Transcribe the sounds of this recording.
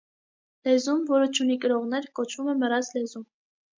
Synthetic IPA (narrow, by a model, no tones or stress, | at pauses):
lɛzumvɔɾət͡ʃʰunikəɾɔʁnɛɾkɔt͡ʃʰvumɛməɾɑt͡slɛzum